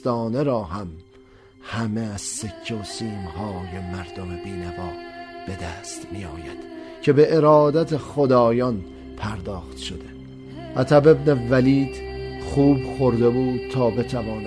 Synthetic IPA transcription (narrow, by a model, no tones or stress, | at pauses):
t̪ɒːne̞ɾɒːɦæm | hæme̞æz̥secʰːeosiːmhɒːje̞mæɾd̪o̞mebiːnævɒːb̥e̞d̪æːst̪mijɒːjæd̪̥ | cʰe̞be̞ʔeɾɒːd̪æt̪ʰeχod̪ɒːjɒn | pʰæɾd̪ɒːχt̪ʃo̞d̪e | ʔæt̪ʰæbe̞bnevæliːd̪̥χuːbxo̞ɾd̪e̞buːd̪̥̚t̪ʰːɒːbe̞t̪ʰævɒːn